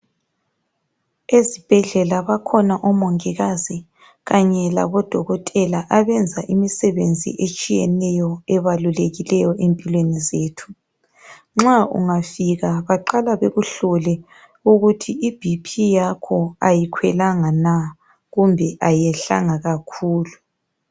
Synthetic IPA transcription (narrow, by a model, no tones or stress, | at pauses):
ezib̥ʱɛɮɛlaβakʰɔnaʔɔmoŋiɣazi | ɣaɲɛla̰βɔd̥ʱɔɣɔtʼɛlaʔaβɛnd͡zʱaʔimisɛβend͡zʱḭʔet͡ʃʼijɛnɛjɔɛβaluleɣilɛjɔʔempʼilwenizeːtʰu̥ | ŋ͡ǁaṵŋafiɣaβaǃalaβeɣuɬɔlɛ | uɣutʰiib̥ʱipʰijakʰɔajikʰwɛlaŋana | ɣumbʱɛʔajɛɬa̰ŋaɣakʰuːlu